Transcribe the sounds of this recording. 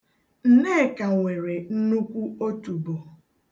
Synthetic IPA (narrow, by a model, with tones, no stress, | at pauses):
n̩˨ne˦˨ka˨ŋʷe˨ɾe˨n̩˦nu˦kʷu˦o˦tu˨bo˨